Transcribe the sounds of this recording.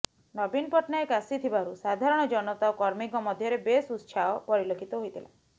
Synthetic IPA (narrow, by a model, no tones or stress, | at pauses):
nɔbinpɔʈnaekasit̪ʰibaɾusad̪ʱaɾɔɽ̃ɔd͡ʒɔnɔt̪aokɔɾmikɔmɔd̪ʱjɔɾebesust͡ʃʰaɔpɔɾilokʰit̪ɔɦojt̪ʰila̰